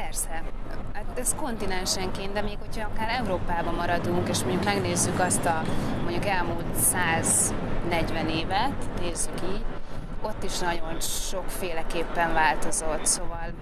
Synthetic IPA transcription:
pɛrsɛat̪ɛsko̞nt̪inɛnʃɛŋkeːnd̪d̪ɛmeːkho̞cʰɒɒkaːɾɛuɾoːpaːbɒmɒɾɒd̪uŋkeːʃmo̞ɲɟukmɛɡneːzːykɒst̪ɒmo̞ɲɟukɛlmuːlt̪saːz | nɛɟvɛneːvɛt̪neːzːykiːɟo̞t̪ːiʃnɒɟo̞nʃo̞kfeːlɛkeːpːɛɱvaːlt̪o̞zo̞t̪so̞vɒl

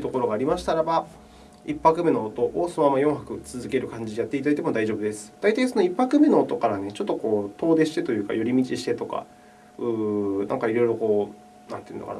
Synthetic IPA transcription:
t̪o̞ko̞ɾo̞ɡaːɾʲimaɕi̥t̪aɾaba | ipːakɯ̟me̞noːt̪o̞ʔosonomamːajõ̞ɰ̃hakɯ̟t͡sɨzɨke̞ɾɯ̟kãɲ̟d͡ʑid̪ejat̪ːeit̪ad̪ait̪̬e̞mo̞d̪aiʑo̞ːbɯ̟d̪e̞sɨ̥d̪̥ait̪aisono̞ipːakɯ̟me̞no̞ːt̪o̞kaɾanet͡ɕo̞t̪ːo̞ko̞ːt̪o̞ːd̪e̞ɕi̥t̪e̞t̪o̞jɯ̟ːka̰jo̞ɾʲimʲit͡ɕiɕi̥t̪e̞t̪o̞ka̰ | ɯ̟ːnã̰ŋkaiɾo̞iɾo̞ko̞ː | nã̰neiɯ̟no̰ka̰

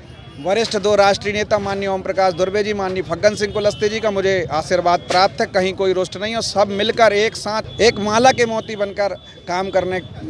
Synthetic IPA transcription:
ʋɐɾɪsʈʰd̪oːɾaːʃʈɾiəneːt̪amaːnːjɔːmpɾɐkaːʃd̪ʊɾbeːd͡ʒimaːnːjəpʰɐɡːə̃nsɪ̃ŋɡ̚kolɐst̪ed͡ʒiːkamʊd͡ʒʱeaːʃiːɾʋaːd̪̚pɾaːp̚t̪ʰɛkːɐɦĩkoːiɾʊʃʈnɐɦĩɔːsɐbmɪlkəɾeːksãːt̪ʰeːkmaːlakemɔːt̪ibɐnkəɾ | kaːmkɐɾne

